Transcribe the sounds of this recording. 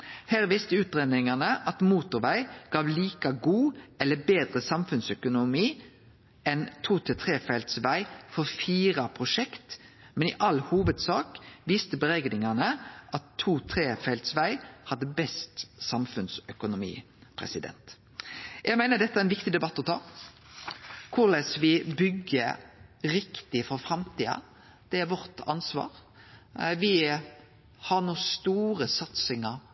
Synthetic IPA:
hæːʁʋiːst̪əʉːt̪ʁeːd̪nɪŋɑnəʔɑt̪muːt̪ʊʁʋæɪɡ̥ɑːʋliːkɑɡuːɛlːəbeːd̪ʁəsɑmfʉnsœkʊnʊmiː | ɛnt̪ʰuːt̪ʰɛt̪ʰʁeːfɛlt̪sʋæɪfɔʁfiːʁɑpʰʁʊʂɛkt̪ | mɛnɪʔɑlhuːʋəd̪sɑːkʋiːst̪əbəʁɛɡnɪŋɑnəʔɑt̪ʰːuːt̪ʰʁeːfɛlt̪sʋæɪhɑd̪ːəbɛst̪sɑmfʉnsœkʊnʊmḭː | pʰɾɛ̰sɪd̪ɛ̰nt̪ | jʔɛɡmæɪnəd̪ɛt̪ːəæɾɛnʋɪkt̪ɪd̪ɛbɑt̪ːɔt̪ʰɑ̰ː | kʰʊlɛsʋɪbʏɡəɾɪkt̪ɪfɾɔfɾɑmt̪ʰiːɑ̰ | d̪̥ɛæɾʋɔʁt̪ɑ̰nsʋɑ̰ːɾ | ʋɪ | hɑɾnuːst̪uːɾəsɑt̪sɪŋəɾ

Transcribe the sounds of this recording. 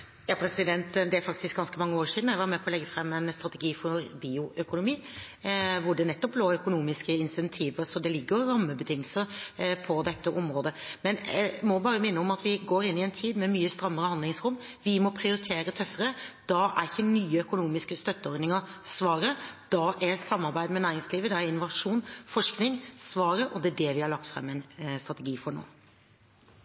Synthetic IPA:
jɑːpʰɾɛsɪd̪ɛnt̪d̪ɛæɾfɑk̚t̪ɪsk̚ɡɑnskəmɑŋːəoːɾʂiːd̪n̩jæɪʋɑɾmɛpʰɔlɛɡːəfɾɛmːɛnst̪ɾɑt̪ɛɡiːfɔɾbiːʊʔœkʊnʊmiː | ʋʊɖɛnɛt̪ːɔp̚bloːœkʊnuːmɪskəɪnsɛnt̪ʰiːʋəɾsɔd̪ɛlɪɡːəɾːɑmːəbət̪ʰɪŋːəlsəɾpʰɔd̪ɛt̪ːəʔɔmɾoːd̪əmɛnæmɔbɑːɾəmɪnːəɔmɑt̪ʋɪɡoːɾɪnːɪɛnt̪ʰiːd̪mɛmyːəst̪ɾɑmːəɾəhɑnd̪lɪŋsɾʊmː | ʋɪmɔpʰɾɪʊɾɪt̪ʰeːɾət̪ʰœfəɾəd̪̥ɑʔæɾçənyːəœkʊnuːmɪskəst̪œt̪ːəɔɾd̪nɪŋəɾsʋɑːɾəd̪̥ɑʔɛsɑmːɑɾbæɪd̪mɛnæːɾɪŋsliːʋəd̪ɑæɾɪnʊʋɑʂuːnfɔʂknɪŋsʋɑːɾəʔɔd̪ɛæɖɛʋɪhɑɾlɑk̚t̪fɾɛ̰mːɛɪnst̪ɾɑt̪əɡiːfɔɳo̰ː

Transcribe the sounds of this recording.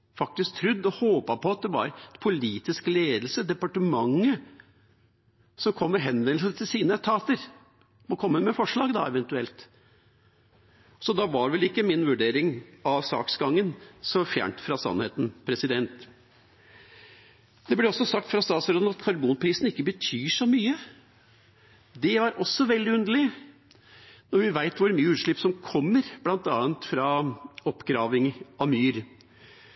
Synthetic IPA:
fɑk̚t̪ɪsk̚t̪ʰɾʉd̪ːɔhoːpɑpʰɔɑt̪̚d̪ɛʋɑ̰ɾpʰʊliːt̪ɪskəleːd̪l̩səd̪ɛpɑʈəmɑŋːə | sɔmkʰɔmːəɾɦɛnʋɛnlsət̪ʰɪlsiːnət̪ʰɑːt̪əɾ | mɔkʰɔmːəmɛfɔʂɭɑːɡd̪ɑ̰ɛʋɛnt̪ʉɛlt̪ | sɔd̪ɑʋɑɾʋɛlɪkːəmɪnʋʉɖeːɾɪŋɑʋsɑ̰ːksɡɑŋːənsɔfjæ̰ːɳʈ̪fɾɑsɑ̰nhḛːt̪n̩pʰɾɛsɪd̪ɛnt̪ | d̪ɛblɛɔsːɔsɑk̚t̪fɾɑst̪ɑːt̪sɔɾɔd̪ɑt̪kʰɑɾbuːnpʰɾiːsn̩ɪkːəbət̪ʰyːʂɔmyːə | d̪ɛɑɾʔɔsːɔʋɛld̪ɪʉnd̪əl̩ɪ | nɔɾʋɪʋæɪt̪ʋʊɾmyːəʉːʂɭɪpːsɔmkʰɔmːəɾb̥lɑnt̪ɑːənt̪fɾɑɔpːɡɾɑːʋɪŋɑmyːɾ

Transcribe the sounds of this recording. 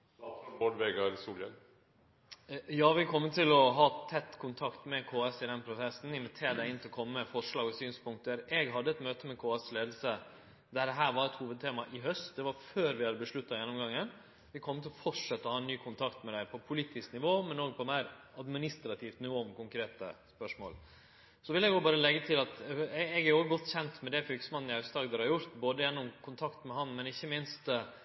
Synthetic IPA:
oɖʋɛɡɑɾsuːlə̰n | jɑːʋɪkʰɔmːət̪ʰɪlɔɦɑːt̪ʰɛt̪ːkʰʊnt̪ʰɑkt̪mɛkʰoːɛsɪd̪ɛnpʰɾʊsɛsn̩ɪnʋɪt̪ʰeːɾd̪æɪɪnt̪ʰɪlɔkʰɔmːəfɔʂɭɑːɡɔsyːnspʊŋk̚t̪əɾɛɡɦɑd̪ːəɛt̪møːt̪əmɛkʰoːɛsleːd̪l̩sə | d̪æɖɛɦæːɾʋɑɾɛt̪huːʋəd̪̚t̪ʰeːmɑʔɪɦœst̪d̪ɛʋɑɾføːɾʋɪhɑd̪əbəʂɭʉt̪ːɑjɛnːʊmɡɑŋːən | ʋɪkʰɔmːət̪ɪlɔfɔʈʂɛt̪ːəɔhɑːɛnːyːkʰʊnt̪ʰɑkt̪mɛd̪æɪpʰɔpʰʊliːt̪ɪsknɪʋoːmɛnoːɡ̚pʰɔmæɪɾɑd̪mɪnɪst̪ɾɑt̪ʰɪft̪nuɔmkʊŋkɾeːt̪ə̰spœʂmo̰ːl | sɔʋɪlɛɡoːbɑːɾəlɛɡːət̪ʰɪlɑt̪ɛɛɡæɾoːɡəɡɔt̪ːçɛnt̪mɛd̪ɛfʏlkə̥smɑnːn̩ɪœsd̪ɑːɡd̪ɛɾhɑɾjʊɾt̪boːd̪əjɛnːɔmkʰʊnt̪ʰɑkt̪mɛɦɑnmɛnɪçːəmɪnst̪

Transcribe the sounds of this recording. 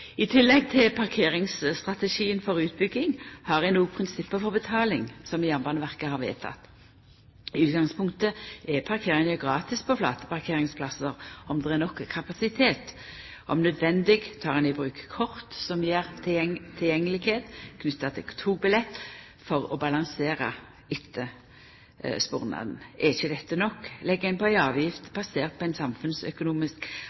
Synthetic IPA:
ɪt̪ʰɪlːɛɡ̚t̪ʰɪlpʰɑʁkʰeːʁɪŋsst̪ʁɑt̪əʃiːənfɔɾʉːt̪̚bʏɡːɪŋhɑʁʋɛnoːpʰʁɪnsɪpːəfɔʁbət̪ʰɑːlɪŋsɔmɪjɑmbɑnəʋæʁkəhɑːɾʋḛːt̪ʰɑ̰t̪ː | ʉːt̪̚ɡɑŋspʰʊŋk̚t̪əʔɛpʰɑɾkʰeːɾɪnʉɡʁɑːt̪ɪspʰɔflɑ̰ːt̪ə̥pɑʁkʰeːɾɪŋspʰlɑsəɾɔmd̪ɛɛnɔkːəkʰɑpɑsɪt̪ʰeːt̪ | ʔɔ̰mnœd̪ʋɛnd̪ɪɡt̪ʰɑːʁɛnɛbʁʉːkkʰɔʁt̪sɔmjeːʁt̪ʰɪt̪ʰːɪljɛŋːəlɪkeːt̪kʰnʏt̪ːɑt̪ʰɪlt̪ʰuːbɪlɛt̪ː | fɔʁɔbɑlɑŋseːɾə̰ | ɪt̪ʰːə | spṵːʁnɑ̰d̪n̩ʔɛɪçəd̪ɛt̪ːənɔkːlɛɡːəɛɪnpʰɔæɪɑːʋjɪft̪b̥ɑseːʁt̪̚pʰɔæɪnsɑmfʉnsœ̰kʊnuːmɪsk

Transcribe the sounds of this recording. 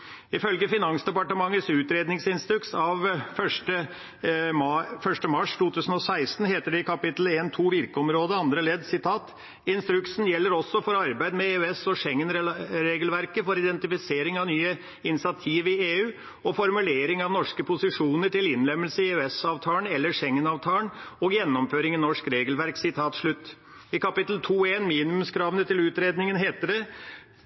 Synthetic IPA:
ɪfœlɡəfɪnɑŋsd̪ɛpɑʈəmɑŋːəsʉːt̪ɾeːd̪nɪŋsɪnst̪ɾʉksɑʋfœʂʈə | mfœʂʈəmɑʂt̪ʰuːt̪ʉːsən̩ɔsæɪst̪n̩ɦeːt̪əɖɛɪkʰɑpɪt̪leːnt̪ʰuːʋɪɾkəɔmɾoːd̪əɑnd̪ɾəleːd̪sɪt̪ʰɑːt̪ | ɪnst̪ɾʉksn̩jɛlːəɾɔsːɔfɔɾɑɾbæɪd̪mɛeːʉɛsɔʂɛŋːənɾɛɾeːɡəlʋæɾkəfɔɾɪd̪ɛnt̪ɪfɪseːɾɪŋɑʋnyːə | ɪnɪsɪɑt̪ʰiːʋɪeːʉː | ɔfɔɾmʉleːɾɪŋɑʋnɔʂkəpʰʊsɪʂuːnəʈɪlɪnlɛmːəlsəɪʉɛsɑːʋt̪ʰɑːlənɛlːəʂɛŋːənɑːʋt̪ʰɑːnɔɡjɛnːɔmføːɾɪŋɪnɔʂkɾeːɡəlʋæɾksɪt̪ʰɑːt̪ʂɭʉt̪ː | ɪkɑpɪt̪lt̪ʰuːeːnmiːnɪmʉmskʰɾɑːʋənət̪ʰɪlʉːt̪ɾeːd̪nɪŋənɦeːt̪əɖ̪ɛ

